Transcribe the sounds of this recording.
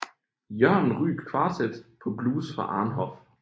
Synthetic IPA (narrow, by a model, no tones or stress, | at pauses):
jɶɐ̰nn̩ʁy̰ːɡ̥kʰʋɑ̈ːsed̥pʰɒ̽bluːsfʁɑ̈ʔɑ̈ːnɦɒf